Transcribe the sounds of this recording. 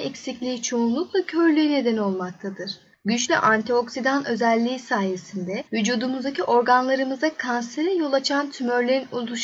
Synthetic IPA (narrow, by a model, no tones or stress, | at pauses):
ɛcsiclʲiːit͡ʃʰo̞unlˠuklˠacʰø̞ɾlʲyjne̞d̪ɛno̞lˠmak̚t̪ʰad̪ɯɾ̥ | ɟyt͡ʃlʲɛ̰ʔant̪ʰio̞ksid̪anø̞zælʲːiːsaːje̞sind̪ɛvyd͡ʒuːd̪umuzd̪aciʔo̞ɾɡanlˠaɾɯmɯzakʰanseɾɛjo̞lˠat͡ʃʰant̪ʰymøɾlʲeɾinolˠuʃ